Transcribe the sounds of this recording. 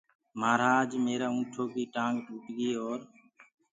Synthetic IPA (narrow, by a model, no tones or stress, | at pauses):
maːɾaːd͡ʒmeːɾaːũːʈʰoːkiːʈãːŋɡʈuːʈɡeːoːɾ